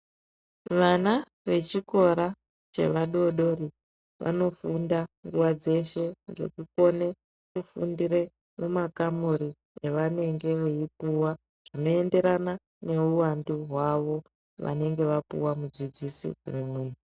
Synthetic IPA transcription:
ʋana | ʋe̞t͡ʃiko̞ɾa | t͡ʃe̞̰ʋaɗo̞ɗo̞ɾi | ʋʔa̰no̞fundaŋɡuwad͡ze̞ʃe̞ŋɡe̞̰kuko̞ne̞ | kufṵndiɾe̞ | memakamuɾi | eʋane̞ŋɡe̞ʋeipuwa | ʐ̥ino̞e̞nde̞ɾana | ne̞uwanduɦwaʋo̞ | ʋa̰ne̞ŋɡe̞ʋapṵwamud͡zid͡zisḭrumwe

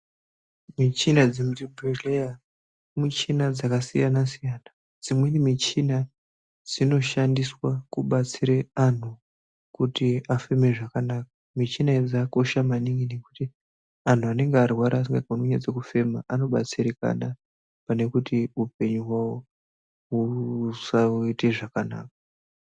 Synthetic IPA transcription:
mit͡ʃinad͡zimutibʱeleja | mut͡ʃinad͡zakasijanasijaːna | d͡zimwenimit͡ʃina | d͡zino̞ʃandiswakuɓat͡siɾean̤u | kutiafe̞me̞ʐakanaːka | mit͡ʃinaed͡zako̞ʃamaniŋɡine̞kuti | an̤uane̞ŋɡearwaɾaːsiŋɡaunoɲad͡zekufe̞maʔano̞ɓa̰t͡siɾeka̰na | pane̞kutiup̚e̞ɲuɦwawo | usaite̞ʐakana̰ːk̚a

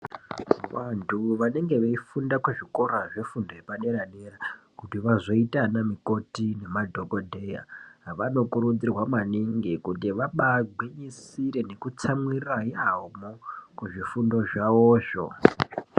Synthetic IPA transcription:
ʋantʰuʋane̞ŋɡe̞ʋeifundakweʐiko̞ɾaʐe̞fundojepane̞ɾanerakutiʋazo̞itanamiko̞tine̞madʱo̞ko̞dʱe̞ja̰ɦʋano̞kuɾud͡zirwamaniŋɡikutiʋaɓaɡʱweɲisiɾe̞ne̞kut͡samwiraiamokuʐifundo̞ʐaoːʃo̰

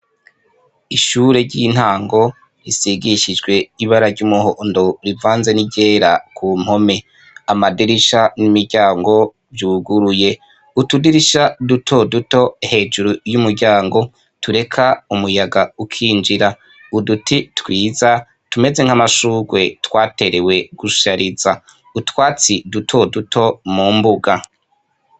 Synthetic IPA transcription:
iʃuɾe̞ɾɟin̥haːŋɡo̞ | ɾisiɡiʃid͡ʒɡwe̞iβaɾaɾɟumuhoʔndoɾivaːnze̞niɟeːɾakʰuːm̥ho̞me̞ | amadiɾiʃanimiɾɟaːŋɡo̞ | vjuːɡuɾuje̞ | utudiɾiʃadutʰo̞duto̞he̞ːd͡ʒuɾujumuɾɟaːŋɡo̞ | tuɾe̞kʰaumujaɡaukʰiːnd͡ʒiɾa | udutʰitwiːza | tume̞ze̞ŋ̥amaʃuːɡwe̞twaːte̞ɾe̞we̞ɡ̥uʃaɾiza | utwaːt͡sidutʰo̞dutʰo̞mumbuɡa

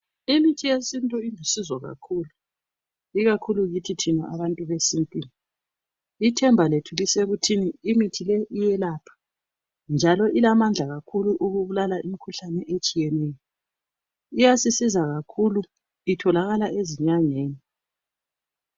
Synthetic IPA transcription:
imitʰijesintʼɔindʱisizwaɣa̰kʰulu | iɣakʰuluɣitʰitʰina̰ʔa̰βantʼuβesintʼini | itʰɛmbʱaletʰuliseɣutʰiniːmitʰileʔijɛlaːpʰḁ | nd͡ʒʱalɔʔilamand͡ɮʱaɣakʰuluʔuɣuβulalaʔimikʰuɬanɛʔet͡ʃʼijɛnɛjɔ | ijasisizaɣakʰulu | itʰɔlaɣalaeziɲaɲeːni

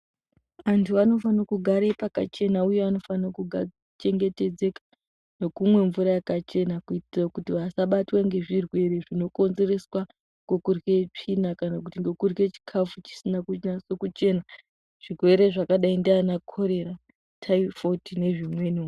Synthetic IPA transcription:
ʋantʰuano̞fanakuɡʱaɾepaka̰t͡ʃe̞nauje̞ano̞fanakuɡʱa | t͡ʃe̞ŋɡe̞te̞d͡ze̞kḁ | no̞kumwe̞ɱvuɾajakat͡ʃe̞nakuitirakutiʋasaɓatwaŋɡe̞ʐirwe̞ɾe̞ʐino̞ko̞nze̞re̞swa | ŋɡokurɣe̞t͡ʂinakanakutiŋɡokurɣe̞t͡ʃi̥kʰafut͡ʃi̥sinakunasokut͡ʃe̞na | ʐ̥irwe̞ɾe̞ʐakaɗaindianakʰoɾe̞ɾa | tʰaifotine̞ʐimwe̞nu

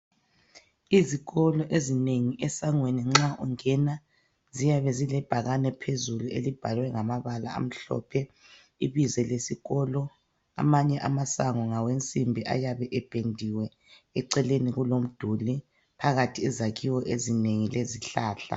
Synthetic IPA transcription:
iziɣɔlɔʔezineŋiʔɛsaŋweniŋ͡ǁaʔuŋɛna | zijaβɛzilɛb̥ʱaɣanɛpʰezuluelib̥ʱalwɛŋamaβala̰a̰m̩ɬɔ̰ːpʰɛ | iβizɛlesiɣɔlɔ | a̰maɲɛʔamasaŋɔŋawent͡sʼimbʱiʔa̰jaβɛʔɛb̥ʱendʱiwɛ | ɛǀɛleniɣulom̩d̥ʱuli | pʰaɣatʰiɛzaɣʰiwɔʔezineŋileziɬaːɬa̰

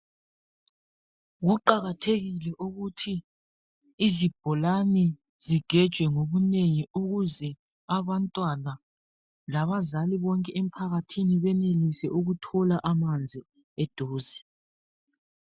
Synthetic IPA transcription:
ɣuǃaɣatʰeɣilɛʔuɣutʰiː | zib̥ʱɔlanɛ | ziɡ̥ʱɛd̥ʒ̥ʱwɛŋoβuneŋiuɣuzɛ | aβantʼwana | laβazaliβɔŋkʼɛem̩pʰaɣatʰiniβɛnelisɛʔuɣutʰɔlaʔamand͡zʱi | ɛd̥ʱoːzi

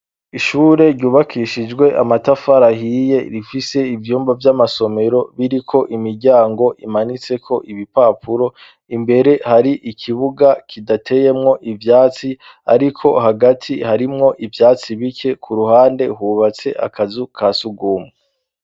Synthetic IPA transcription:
iʃuɾe̞ɾɟuːβakʰiʃid͡ʒɡwe̞ʔa̰matafaɾahiːje̞ɾifise̞ivjuːmvavjamaso̞me̞ɾo̞βiɾikʰo̞ʔimiɾɟaːŋɡo̞ʔimanit͡se̞kʰo̞ʔiβipaːpʰuɾo̞ | imbe̞ɾe̞haɾiʔikʰiβuɡakʰidatʰe̞je̞mŋo̞ʔivjaːt͡si | a̰ɾikʰo̞ɦaɡatʰihaɾimŋo̞ʔivjaːt͡siβikʰe̞kʰuɾuhaːnde̞huβat͡se̞ʔa̰kʰazukʰasuɡuːmŋe

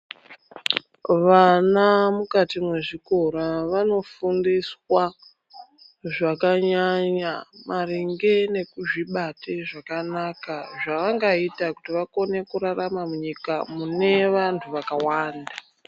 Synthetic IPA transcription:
ʋanamukatimwe̞ʐiko̞ɾaʋano̞fundiswa | ʐakaɲaɲamariŋɡe̞ne̞kuʐiɓatʰeʐakanakaʐaʋaŋɡaitakutiʋako̞ne̞kuɾaramamuɲikamune̞ʋantʰuʋakawaːnda

